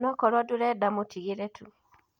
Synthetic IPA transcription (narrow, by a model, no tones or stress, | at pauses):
nɔkɔɾɔduɾɛdamotʰiɡeɾetʰu